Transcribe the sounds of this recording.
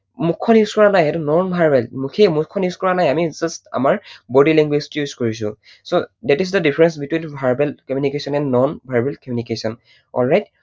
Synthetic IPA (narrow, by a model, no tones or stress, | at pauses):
mukʰːɔnjuzkɔɹanajɛtunɔnbʱaɹbɛlmukʰemukʰːɔnjuskɔɹanajamizʌsta̰maɹbɔdilɛŋɡweztjuzkoɹis̬ʊ̰̃ | sodɛtizdədipʰɹɛnsbitwinbʱaɹbɛlkɔmjunikesɔnɛ̃ndːɔnbʱaɹbɛlkɔmjunikesɔn | ɔ̰lɹajt̚